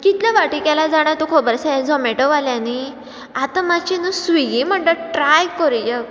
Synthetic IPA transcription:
kit̪ljaʋaʈikɛlad͡zaɽ̃at̪ukʰobəɾsad͡zɔmeʈəʋaljani | at̪amat͡ɕinusʋiɡim̤əɳʈəʈɾajkɔɾd͡ʑə

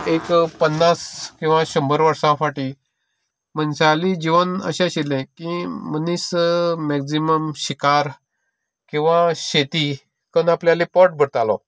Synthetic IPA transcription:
ekpənːaskĩw̃ʋãɕəmbəɾʋəɾsãfaʈi | mənsalid͡ʑiʋənə̰ɕãɕilɛ̃kimənismɛksiməmɕikaɾ | kĩw̃ʋãɕet̪i | kənapljalipɔʈ̚bʱəɽt̪alɔ

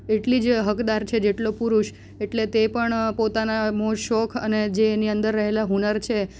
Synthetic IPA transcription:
eʈlid͡ʒɦəkd̪aɾt͡ʃʰed͡ʒeʈlopuɾuʃ | eʈlet̪epəɳpot̪anamoʃɔkʰə̰ned͡ʒeniənd̪əɾːəɦelaɦunəɾt͡ʃʰe

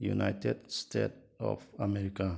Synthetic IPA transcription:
jṵnaɪtedstet̚ | ɔ̰famɛɾika

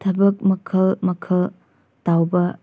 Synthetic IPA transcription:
tʰɐbɐk̚mɐkʰɐlmɐkʰɐl | tawbɐ

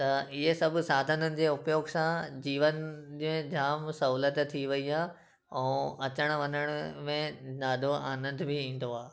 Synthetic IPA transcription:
t̪ɐɪɦesɐbʱʊ̆saːd̪ʱənənɪ̆d͡ʑeːʊpjoːɡsãd͡ʑiːʋənd͡ʑẽd͡ʑʱaːmsɐɦuːlət̪t̪ʰːiʋɐiaː | ɛ̃ɐt͡ɕəɽ̃ʋɐɲəɽ̃ʊmẽnaːd̪ʱoaːnə̃nd̪ʱbʱɪĩːn̆d̪oaː

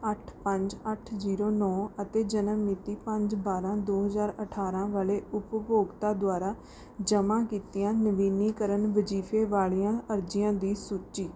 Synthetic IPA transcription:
əʈʰpəɲd͡ʒəʈʰziːɾoːnɔːət̪eːd͡ʒənəmːit̪iːpəɲd͡ʒbaːɾãːd̪oːɦəzaːɾəʈʰaːɾãːʋaːleːʊppoːɡt̪aːd̪ʊaːɾaː | d͡ʒəmãːkiːt̪ɪjãːnəʋiːniːkəɾənʋəd͡ʒiːfʰeːʋaːɭijãːəɾd͡ʒɪjãːd̪iːsuːtʃiː

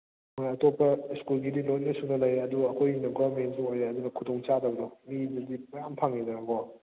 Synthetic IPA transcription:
mojɐtopːɐskulɡidilojnɐsunɐlɐjɐduɐkʰojinɐɡɔmensuojeɐd̪unɐkʰudoŋt͡ʃadɐbɐdomidɐdimɐjampʰaŋːinaɡɔ

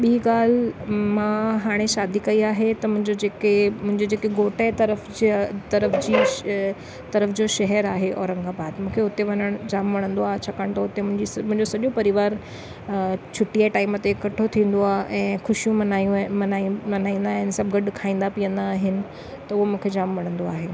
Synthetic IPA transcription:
ɓiɦiɠaːl̤mãɦaːɽ̃eʃaːd̪ikɐiaːɦet̪ɐmʊ̃ɦɪ̃ɲd͡ʑod͡ʑeːkemʊ̃ɦɪ̃ɲd͡ʑid͡ʑeːkeɡoːʈət̪ɐɾəfd͡ʑt̪ɐɾəfd͡ʑiː | t̪ɐɾəfd͡ʑoʃɐɦɛɾaːɦeʔɔːɾə̃ŋɡabaːd̪mũːkʰeʊt̪eʋɐnəɽ̃d͡ʑaːmʋɐɽ̃ə̃nd̪oaːɦet͡ɕʰɐkəɽ̃t̪oʊt̪emʊ̃ɦɪ̃ɲd͡ʑimʊ̃ɦɪ̃ɲd͡ʑosɐʄõpɐɾɪʋaːɾ | t͡ɕʰʊʈijaʈaːɪmət̪ekɐʈʰot̪ʰĩːn̆d̪oaːɦʔɛ̃ːxʊʃijũmɐnaʋɐnaːĩːnd̪aːɦɪnɪsɐbɡɐɗkʰaːĩːnd̪apiə̃nd̪aːɦɪnɪ̆ | t̪ɐʊɦomũːkʰed͡ʑaːmʋɐɽ̃ə̃nd̪oaːɦeː

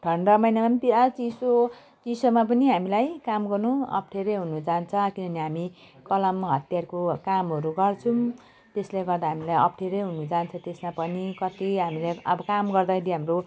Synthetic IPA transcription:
ɖʱʌɳɖʌmʌjnamanp̪iat͡siso | t͡sisomap̬ʌniɦamilajkamɡʌrnuʌ̰p̚ʰʈʰeɾʌjɦunud͡zant͡sʰʌkinʌniɦami | kʌlʌmɦʌt̪jarkokamɦʌɾuɡʌrt͡sʰum | t̪esleɡʌrd̪aɦamilajʌpʈʰeɾʌjɦunud͡zant͡sʰʌt̪esmapʌnikʌt̪iɦamileʌbʌkamɡʌrd̪akʰeɾiɦamro

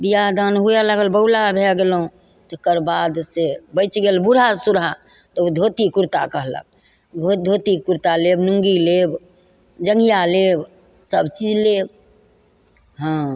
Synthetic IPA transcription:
bijad̪anɦujaləɡəlbəulabʱeɡelũ | t̪ɔkəɾbad̪sebəɪt͡ʃɡelbuɽ̤asuɾʱa | t̪ɔd̪ʱot̪ikuɾt̪akəɦlə̰k̚ | ɡʱod̪ʱot̪ikuɾt̪alebnuŋɡileb | d͡ʒəŋɡijaleb | səbt͡ʃid͡ʒleb | ɦə̃

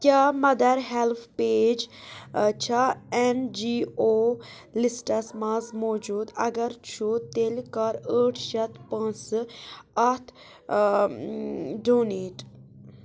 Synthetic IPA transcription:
kʲaːmɐd̪ɐɾɦelpʰpeːd͡ʒ | t͡ʃʰaɛnd͡ʒiːoː | lisʈɐsmazmoːd͡ʒuːd̪ɐ̰ɡɐɾt͡ʃʰut̪elkɐɾəːʈʰʃɐt̪ʰpɐ̃nt͡s | ɐt̪ʰ | ɖoːneːʈ

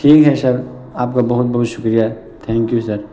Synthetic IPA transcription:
ʈʰiːkɦɛsɐɾ | aːp̚kabɐɦʊt̪̚bɐɦʊt̪ʃʊ̥kɾija | t̪ʰɛ̃ːŋkjusɐɾ

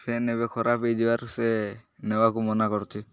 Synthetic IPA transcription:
pʰenebekʰɔɾapejd̪ibaɾsenewakumɔnakɔɾtʰi

